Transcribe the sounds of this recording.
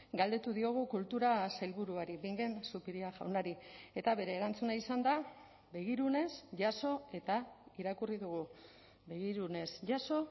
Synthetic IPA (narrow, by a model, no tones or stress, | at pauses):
ɡald̪e̞t̪uðio̞ɣ̞ukult̪uɾasajlβuɾuaɾiβiŋɡe̞nsupiɾiaʝa̰wnaɾie̞t̪aβe̞ɾe̞ːɾant͡sunaisand̪a | be̞ɣ̞iɾune̞sʝaso̞e̞t̪aiɾakuriðuɣ̞u | be̞ɣiɾune̞sʝaso̞